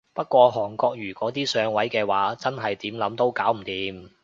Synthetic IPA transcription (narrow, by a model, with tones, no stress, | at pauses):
pɐ˥t̚kʷɔː˧ɦɔː˨˩ŋkɔː˧k̚jyː˨˩kʷɔː˨˥t̪iː˥sœː˨˧ŋwɐ˨˥jkɛː˧waː˨˥t͡sɐ˥nɦɐ˨jt̪iː˨˥mlɐ˨˥mt̪o˥wkaː˨˥wm̩˨˩t̪iː˨˧˥m